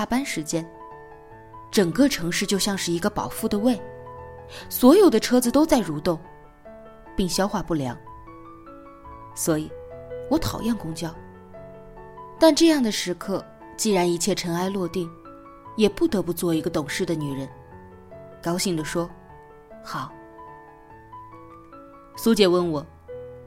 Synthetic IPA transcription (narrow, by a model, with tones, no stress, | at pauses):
a˥˩pa˥nʂɻ̩˧˥t͡ɕjɛ˥n | ʈ͡ʂɤ˨˩ŋkɤ˥˧ʈ͡ʂʰɤ˧˥ŋʂɻ̩˥˧t͡ɕjo˥˧ʊɕjɑ˥˧ŋʂɻ̩˥˩i˧˥ɡə˧pɑ˨˩ʊfu˥˩d̪ə˩we˥˩ɪ | swɔ˧˥jo˨˩ʊd̪ə˦ʈ͡ʂʰɤ˥d͡zɹ̩˧t̪o˥ʊt͡sa˥˩ɪɻu˧˥t̪ʊ˥˩ŋ | pi˥˩˧ŋɕjɑ˥ʊxwa˥˧pu˥˩ljɑ˧˥ŋ | swɔ˧˥i˨˩˦wɔ˧˥t̪ʰɑ̰˨˩ʊjɑ˥˩nkʊ˥ŋt͡ɕjɑ˥˩ʊ | t̪a˥˧nʈ͡ʂɤ˥˧jɑ˥˩ŋd̪ə˩ʂɻ̩˧˥kʰɤ˥˧ | t͡ɕi˥˩ɻa˧˥ni˧˥t͡ɕʰjɛ˥˩ʈ͡ʂʰə˧˥na˥ɪlwɔ˥˧t̪i˥˩ŋ | jɛ˨˩pu˥˩t̪ɤ˧˥pu˧t͡swɔ˥˩i˧˥ɡə˧t̪ʊ˨˩ŋʂɻ̩˥˩d̪ə˩ny˨˩ɻə˧˥n | kɑ˥ʊɕi˥˩ŋd̪ə˩ʂwɔ˥ | xɑ˨˩˦ʊ | su˧˥t͡ɕjɛ˨˩wə˥˩nwɔ˨˩˦